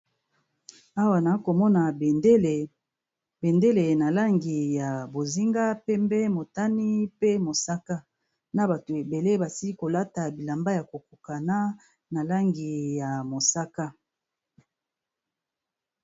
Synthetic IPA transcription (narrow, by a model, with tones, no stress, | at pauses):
a˦wa˨na˨˦ko˨mɔ˦na˨bl | be˨nde˦le˨na˨la˦ŋɡi˨ja˨bo˨zi˦ŋɡa˦pɛ˦mbɛ˦mo˨ta˦ni˦pe˦mo˨sa˦ka˦ | na˦ba˨to˨e˨be˨le˦ba˨si˦ko˨la˦ta˨bi˨la˨mba˦ja˨ko˨ku˨ka˨na˦ | na˨la˦ŋɡi˨ja˨mo˨sa˦ka˦